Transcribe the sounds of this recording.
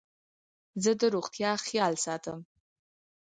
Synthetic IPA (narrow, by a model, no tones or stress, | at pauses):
zɨdɨɾuχtʰjaχialsatʰəm